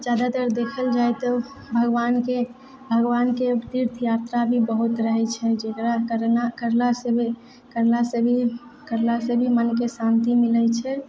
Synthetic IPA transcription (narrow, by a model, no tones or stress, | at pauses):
d͡ʒad̪at̪əɾd̪ekʰəld͡ʒajt̪ɔ | bʱəɡwanke | bʱəɡʋanket̪iɾt̪ʰjaɾt̪ɾabʱibəɦut̪ɾəɦɛt͡ʃʰɛd͡ʒekɾakəɾnakəɾlasebi | kəɾlasebʱikəɾlasebʱimənkesãnt̪imilət͡ʃʰɛ